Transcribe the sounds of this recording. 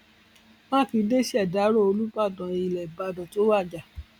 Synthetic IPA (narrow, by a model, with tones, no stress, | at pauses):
mãː˦˨ki˧˦de˦si˦a˦˨da˨˦ɾo˦˨o˧lu˦ba˦˨dɔ̃˨i˨lɛ˨ba˧dɔ̃˨to˦wa˦˨d͡ʒa˨